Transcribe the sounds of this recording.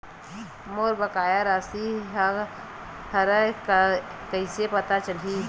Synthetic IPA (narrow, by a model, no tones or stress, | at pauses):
moːɾbəkaːjaɾasiɦ | həɾəkkəɪsepət̪at͡ʃəli